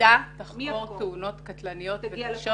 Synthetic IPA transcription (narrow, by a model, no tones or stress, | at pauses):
ataχot̪ːeuno̞t̪katlanijo̞t̪veʃo